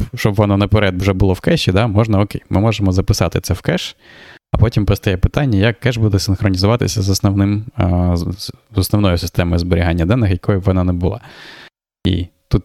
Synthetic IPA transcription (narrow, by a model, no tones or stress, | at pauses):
ʃt͡ʃɔbʋɔnɔnɐpeɾɛd̪wʒɛbʊlˠɔwkɛʃʲid̪ɑmɔʒnɐɔkejmʔɪmɔʐemɔzɐpɪsɑt̪ɪt̪sɛwkɛʃɐpɔtʲimpɾɔst̪ɛjɛpɪ̥t̪ɑnʲːɐjɐkːɛʒbud̪ɛsɪnxɾɔnʲizʊʋɑt̪ɪ̰sʲɐzɐsnɔʋnɪm | zɔsnɔʋnɔjʊsɪst̪ɛmɔjʊzbɔɾʲiɦanʲːɐd̪ɛnːɪxjɐkɔjʊʋɔnɑnɛbʊlˠɑ̰ | ḭt̪ut̪̚